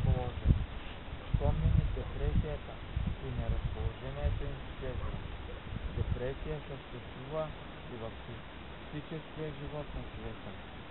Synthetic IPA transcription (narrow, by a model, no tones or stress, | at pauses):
polˠɔʒɛn | spɔmnɛnid̪ɛpɾɛsijat̪ə | ɾinɛɾɐspolˠɔʒɛniɛt̪ɛinʃɛsɾod̪ɛpɾɛsijasəʃt̪ɛst̪vuvɐ | ivɐfsi | fsit͡ʃɛskijəʒivɔt̪nɐsvɛt̪ə